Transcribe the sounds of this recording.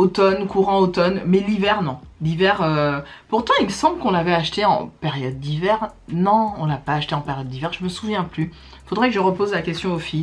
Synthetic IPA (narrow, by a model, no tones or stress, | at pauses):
ot̪ɔnkuʁɑ̃ot̪ɔnmɛlivɛʁnɔ̃livɛʁøpuʁt̪ɑ̃ilsɑ̃bləkɔ̃lavɛaʃt̪eɑ̰̃peʁjɔd̪ːivɛʁnɔ̃ɔ̃lapaːʃt̪eɑ̃peʁjɔd̪ːivɛʁʒəməsuvjɛ̃ply | ifod̪ʁɛkəʒəʁəpozlakʲɛst̪jɔ̃ofi